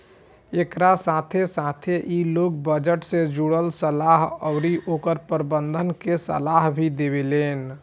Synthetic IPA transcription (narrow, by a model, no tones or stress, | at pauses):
ekɾasat̪ʰesat̪ʰeʔilok̚bəd͡ʒəʈsed͡ʒuɽəlsəlaɦɔʊɾiʔokəɾpəɾbənd̪ʱənkesə̰laɦbʱid̪eβelen